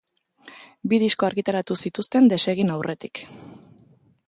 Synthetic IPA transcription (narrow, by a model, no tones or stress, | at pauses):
biðisko̞aɾɣit̪aɾat̪usit̪ust̪e̞nd̪e̞se̞ɣ̞inawrʔe̞t̪ik